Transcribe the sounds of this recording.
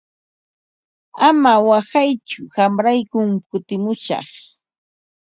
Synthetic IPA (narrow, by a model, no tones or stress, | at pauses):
amawahajt͡ʃʊhamɾajkʊŋkʊt̪ɪmʊʃɑ̰χ